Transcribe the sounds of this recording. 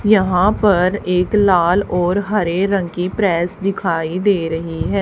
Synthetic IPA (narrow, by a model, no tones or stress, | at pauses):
jəɦãːpəɾɪklaːlɔːɾɦəɾeːɾə̃ŋkiːpɾɛːsd̪ɪkʰaːiːd̪eːɾəɦiɦɛː